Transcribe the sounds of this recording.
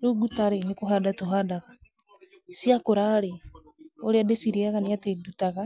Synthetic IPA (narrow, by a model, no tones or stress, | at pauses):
ɾuɡutaɾenekoɦaːdatoɦaːdaɣa | siakoɾaɾe | oɾeadesiɾeaɣaneatedutaɣa